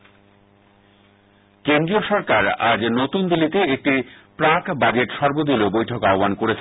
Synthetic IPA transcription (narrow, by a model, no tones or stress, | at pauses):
kend̪ɾioʃɔɾkaɾa̰d͡ʑnot̪und̪ilːit̪eek̚ʈipɾakbad͡ʑeʈʃɔɾbod̪ilobojʈʰokaobankoɾet͡ɕʰe